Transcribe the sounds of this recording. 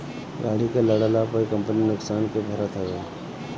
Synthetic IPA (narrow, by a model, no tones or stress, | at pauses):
ɡaːlikeləɽəlapəikə̃mpəninʊksaːnkebʱəɾət̪ɦɐɡeː